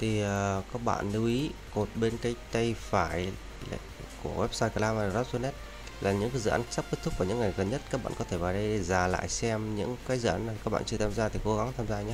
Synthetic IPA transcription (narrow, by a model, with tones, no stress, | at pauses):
t̪ʰi˨˩əː˨˩kaː˦˥k̚ɓa̰ː˧˨nɗɨ˨˧wʔi˨˦ko˨˩t̚ɓe˧nkaː˨˦jt̪ə˧jfaː˧˩j | l̰ | ku˧˩əwɛ˦˥p̚saː˧jka˧˩laː˧ma˨˩za˦˥p̚zu˧nɛ˦˥t̚ | laː˨˩ɲɨ̰˧˥ŋkaː˨˦jzɨ̰ː˧˨ʔaː˨˦nt͡ɕa˦˥p̚ke˦˥t̚t̪̚ʰvaː˨˧˩ɲɨ̰˧˥ŋːa˨˩jɣə˨˩nɲə˦˥t̚ka˦˥k̚ɓa̰ː˧˨nkɔ˨˦t̪ʰe˧˩vaː˨˩ɗə˧je˨˩zaː˨˩la̰ː˧˨jsɛ˧mɲɨ̰˧˥ŋkaː˨˦jzɨ̰˧˨ʔaː˨˦nː˨˩ka˦˥k̚ɓa̰ː˧˨nt͡ɕɨ˧ət̪ʰaː˧mzaː˧t̪ʰi˨˩ko˨˦ɣa˨˦ŋt̪ʰaː˧mzaː˧ɲaː˧˦